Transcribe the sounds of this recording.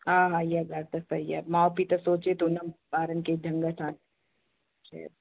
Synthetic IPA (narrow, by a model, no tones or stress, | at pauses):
aːɦaijaɡaɾt̪ɐsɐija̰mãːopit̪ɐsoːt͡ʃet̪onɐbaːɾənked͡ʒʱɐ̃ŋɡatʰaːn | ʃa̰